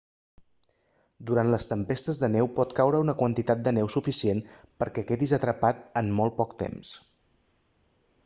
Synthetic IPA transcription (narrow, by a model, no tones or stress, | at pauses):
d̪uɾant̪ləst̪əmpest̪əzðənɛwpɔt̪kawɾəunəkwənt̪it̪at̪̚d̪ənɛwsufisienpəɾkɛkɛðizət̪ɾəpat̪̚ənmɔlˠpɔkt̪ḛms